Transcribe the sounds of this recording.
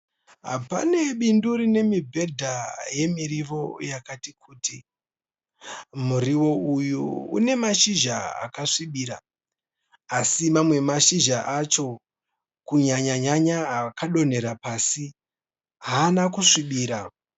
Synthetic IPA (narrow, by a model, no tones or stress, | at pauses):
ɦa̰pa̰ne̞ɓinduɾine̞mibʱe̞dʱaje̞miɾiʋo̞jakatikʰuːti | muɾiwo̞ujuṵne̞maʃiʒaa̰kaʂiɓiːɾa | simamwe̞maʃiʒaʔat͡ʃo̞ | kuɲaɲaɲaɲaakaɗo̞ne̞ɾapaːsi | ɦaːnakuʂiɓiːɾa